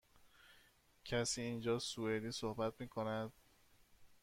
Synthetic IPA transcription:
cʰæsiːiːnd͡ʒɒːsued̪iːsohbæt̪̚miːkʰonæd̪̥̚

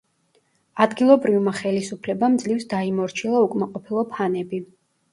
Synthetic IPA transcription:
ad̪ɡilˠɔbɾivmaχɛlisupʰlɛbamd̪zlifsd̪aimɔɾt͡ʃʰilˠaukʼmaqʼɔpʰilˠɔpʰanɛbi

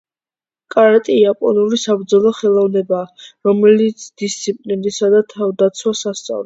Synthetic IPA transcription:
kʼaɾat̪ʼiapʼɔnulisabɾd̪zɔlˠɔχɛlˠɔvnɛbaːɾɔmɛlit̪sʰd̪ist̪sʰipʼlind̪isad̪at̪ʰavd̪at̪sʰwasast̪sʼa̰vlɛ

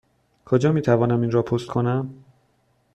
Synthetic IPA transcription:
kʰod͡ʒɒːmiːt̪ʰævɒːnæminɾɒːpʰost̪̚kʰonæm

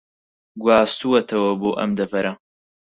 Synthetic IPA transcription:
ɡwaːst̪uwɐt̪ʰɐwɐboːʔɐ̰md̪ɐvɐɾɐ

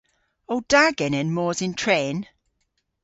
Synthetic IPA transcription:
owd̥aɡɛnɛnmɔːzɪntʰɹɛːn

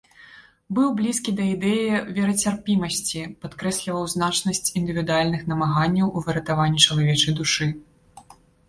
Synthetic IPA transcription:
bɨwblʲiskʲid̪ɐid̪ɛjivʲɛɾɐt͡sʲarpʲimɐsʲt͡sʲipat̪kɾɛsʲlʲivɐwznat͡ʂnɐsʲt͡sʲind̪ɨvʲid̪ualʲnɨxnɐmaɣanʲːɐwʔuvɨɾɐt̪avanʲːit͡ʂɐlˠavʲɛt͡ʂɐjd̪uʂɨ

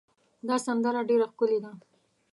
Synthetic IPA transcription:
d̪ɑsand̪aɾaɖeɾaxkʊled̪a

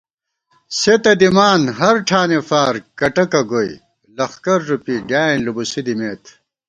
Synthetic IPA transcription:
set̪ɐd̪imaːnɦɐɾʈʰaːnefaːɾkɐʈɐkɐɡoḭ | lɐxkɐɾːupiɖaːinlubusid̪imeːt̪ʰ

